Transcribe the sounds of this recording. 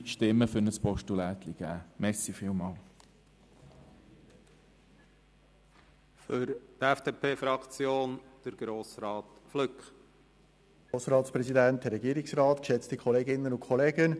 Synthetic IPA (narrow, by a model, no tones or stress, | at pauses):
ʃtɪmːəfʏnəspɔʃtulæːt̪liɡ̥æ̰ːmɛsifɪːlmɑːl | fʏɾt̪ɛfd̥eːpʰeːfɾɑkt͡sjoːnd̥əɾɡ̥ɾoːsɾɑːt̪ | flʏkχ | oːsɾɑːtspɾɛzidæntdəɾːɛɡiːɾɪksrɑːt̪kʃɛt͡stikʰχɔleːɡɪnːənʊnkʰχɔleːɡən